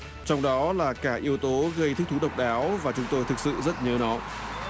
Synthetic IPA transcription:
t͡ɕɔ˧wŋ͡mɗɔ˨˦laː˨˩kaː˧˩ʔi˨˦əwt̪o˨˦ɣə˧jt̪ɨ̟˦˥t̪ʰu˨˦˥ɗə˨˩wk͡p̚ɗaː˨˦wvaː˨˩t͡ɕʊ˨˦ŋ͡mt̪o˧jt̪ʰɨ˨˩k̚sɨ̰˧˨zə˦˥t̚ɲəː˨˦nɔ˨˦

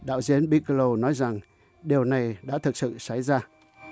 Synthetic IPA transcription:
ɗa̰ː˧˨wzi˨˦ənɓi˧˥klo˨˩nɔ˨˦jza˨˩ŋ | ɗi˨˩əwna˨˩jɗa̰ː˧˥t̪ʰɨ˨˩k̚sɨ̰˧˨saː˧˩jzaː˧

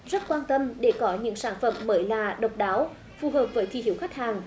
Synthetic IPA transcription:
zə˦˥t̚kwaː˧nt̪ə˧mɗe˧˩kɔ˨˦ɲɨ̰˧˥ŋsaː˧˩nfə̰˧˩mːəː˨˦jlaː˨˩ɗə˨˩wk͡p̚ɗaː˨˦w | fu˨˩ɦəː˨˩p̚v̥əː˨˦jt̪ʰi˧˩hi˧˩əwxa˦˥k̟̚haː˨˩ŋ

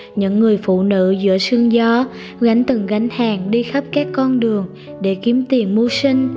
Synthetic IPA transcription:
ɲɨ̰˧˥ŋːɨ˨˩əjfṵ˧˨nɨ̰˧˥zɨ̰˧˥əsɨ˧əŋzɔ˧ | ɣa˨˩˦jŋ̟t̪ɨ˨˩ŋɣa˨˦jŋ̟haː˨˩ŋɗi˧xə˦˥p̚kaː˦˥kːɔ˧nɗɨ˨˩əŋ | ɗe˧˩ki˨˦əmt̪i˨˩əmːo˧sï˧ŋ̟

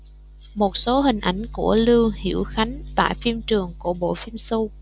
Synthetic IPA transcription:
mo˨˩t̚so˨˦ɦï˨˩ŋ̟ʔa˧˩jŋ̟kṵ˧˩əlɨ˧hḭ˧˩əwxa˨˦jŋ̟t̪a̰ː˧˨jfi˧əmt͡ɕɨ˨˩əŋku˧˩əɓo̰˧˨fi˧msu˧

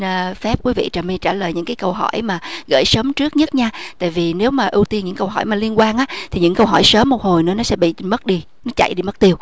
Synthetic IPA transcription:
fɛ˦˥p̚kwi˨˦vḭ˧˨t͡ɕaː˨˩mi˧t͡ɕaː˧˩ləː˨˩jɲɨ̰˧˥ŋkaː˨˦jkə˧wɦɔ˧˩jmaː˨˩ɣə̰ː˧˩jsəː˨˦mt͡ɕɨ˦˥ət̚ɲə˦˥t̚ɲaː˧t̪a̰ː˧˨jvi˨˩ne˨˦wmaː˨˩ʔɨ˧wt̪i˧nɲɨ̰˧˥ŋkə˧wɦɔ̰˧˩jmaː˨˩li˧ənkwaː˧nʔaː˧˦˥t̪ʰi˨˩ɲɨ̰˧˥ŋkə˧wɦɔ˧˩jsəː˨˦mːo˨˩t̚ho˨˩jnɨ̰˧˥ənɔ˨˦sɛ̰˧˥ɓḭ˧˨mə˦˥t̚ɗi˧ | nɔ˨˦t͡ɕa̰˧˨jɗi˧mə˦˥t̚t̪i˧əw

